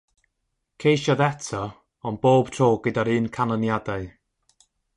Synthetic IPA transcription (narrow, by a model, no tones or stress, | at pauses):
kʰejʃɔðɛtʰɔ | ɔnb̥oːb̥tʰroːɡ̥ədaɾɨːnkʰanɔnjadaɨ